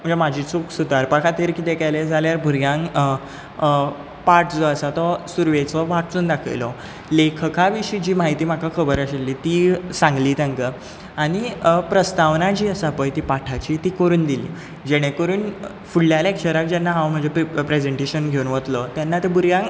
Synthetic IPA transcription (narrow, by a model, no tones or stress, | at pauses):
m̤əd͡zamad͡ʑʱiːt͡suksud̪ʱaɾpakʰat̪iɾkiːt̪ekajled͡zaljaɾbʱuɾjãŋ | paʈʰd͡zɔəsat̪ɔsuɾʋet͡sɔʋaʈʰt͡suːnd̪akʰa̰jlɔ | lekʰəkʰaʋiɕiːd͡ʑiːmaɦit̪iːm̤akʰakʰəbəɾəɕelːiːt̪iːsãŋɡliːt̪ãŋkə | aɽ̃ipɾəst̪aʋnad͡ʑiːəsapəjt̪iːpaʈʰat͡ɕiːt̪iːkəɾuːnd̪ilḭː | d͡ʑeɽ̃ẽkəɾuːn | fuɭːjalekɕəɾak̚d͡ʑanːaɦãwm̤əd͡zʱepɾed͡zeɳʈeɕənɡʱeunʋət̪lɔt̪janːat̪ebʱuɾjãŋ